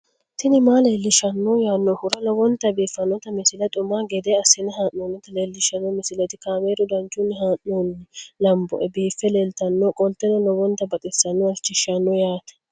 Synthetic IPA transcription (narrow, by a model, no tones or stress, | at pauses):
t̪ɪnɪmaːle̞ːlːɪʃɐnːɔjaːnːɔhʊɾɐlɔwɔnt̪ːɐbiːfɐnːɔt̪ɐmɪsɪlɐt̪ʼʊmːaːɡɛd̪eɐsɪnɛɦaːnːoːnːɔt̪ɐleːlːɪʃɐnːɔmɪsɪlɐt̪ɪkaːmeːɾʊd̪ɐnt͡ʃːʊnːɛɦaːnːuːnɛlɐmbɔ̰ʔɛbiːfːɛleːlt̪ɐnːɔkʼɔlt̪ɛnɔlɔwɔnt̪ːɐbɐt̪ʼɪsːɐnːɔɐlt͡ʃːɪʃɐnːɔjaːt̪ɐ̥